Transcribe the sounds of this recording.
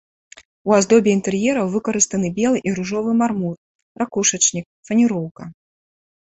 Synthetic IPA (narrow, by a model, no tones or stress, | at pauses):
uazd̪ɔbʲiint̪ɛrjɛɾɐwvɨkɐɾɨst̪ɐnɨbʲɛlˠɨʔiɾuʐɔvɨmarmur | ɾakuʂɐt͡ʂnʲik̚ | fɐnʲiɾɔwkɐ